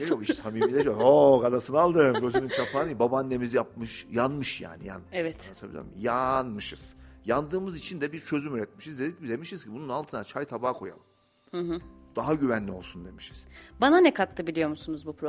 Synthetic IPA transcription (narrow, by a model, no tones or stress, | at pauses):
eokiʃsamiːmmilʲɛd͡ʒooɡad̪asɯnɯalˠd̪ɯmɟø̞zymynt͡ʃʰapʰaːnɯjbabanːe̞mizijap̚mɯʃjanmɯʃja̰ːnḭja̰nɛvɛt̪t̪ʰabilʲa̰mjanmɯʃɯz̥jand̪ɯːmɯzit͡ʃʰind̪ɛbiɾt͡ʃʰø̞zymyɾɛt̪̚miʃizd̪ed̪icid̪e̞miʃiz̥cʰibununalˠt̪ʰɯnat͡ʃʰajt̪ʰabaːkʰo̞ja̰lˠɯm | hɯ̃ɦɯd̪̥aɦaɟyvænlʲio̞lˠsund̪e̞miʃi̥z̥bananɛkʰat̪lˠɯbilʲijo̞ɾmusunuzbupɾo